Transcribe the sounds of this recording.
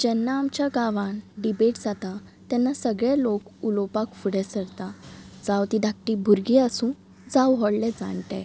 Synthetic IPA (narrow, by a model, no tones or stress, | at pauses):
d͡ʑɛnːaːmt͡ɕjaɡaʋãnɖibeʈd͡zat̪a | t̪ɛnːasəɡɭalokulɔpakfuɽɛsəɽt̪ad͡zawt̪id̪ak̚ʈibʱuɾɡiəsũː | d͡zawɦɔɽlɛd͡za̰ɳʈɛ̰